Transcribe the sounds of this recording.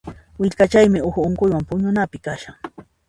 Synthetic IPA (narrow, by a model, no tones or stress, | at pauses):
wɪʎkat͡ʃajmɪʊxʊʊŋkʊjwampʊɲʊnapɪkaʃaŋ